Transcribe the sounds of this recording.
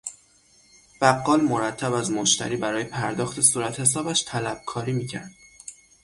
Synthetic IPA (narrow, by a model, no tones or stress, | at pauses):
b̥æɡːɒːlmoɾæt̪ʰːæbæzmoʃt̪ʰæ̰ɾiːbæɾɒːje̞pʰæɾd̪ɒːxt̪ʰe̞suːɾæt̪ʰhe̞s̬ɒːbæʃt̪ʰælæb̥̚kʰɒːɾiːmiːcʰæ̰ɾd̪̥